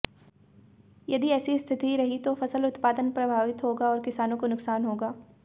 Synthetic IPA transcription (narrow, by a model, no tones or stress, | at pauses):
jɐd̪iɛːsist̪ʰɪt̪iɾɐɦit̪ofɐsəlʊt̪paːd̪ənpɾɐbʱaːʋɪt̪ɦoːɡaɔːɾkɪsaːnõkonʊksaːnɦoːɡaː